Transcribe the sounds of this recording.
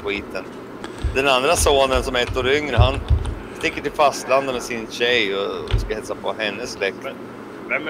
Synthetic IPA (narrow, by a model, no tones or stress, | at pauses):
ʊiːt̪ʰən | d̪ɛnand̪ɾasoːnənsɔmɛt̪ːɔɾʏŋɾəɦan | st̪ɪkːəʈɪlfast̪land̪amɛsɪnɕɛjɔskahɛt̪sapʰɔ̰ɦɛnːəsːlɛkt̪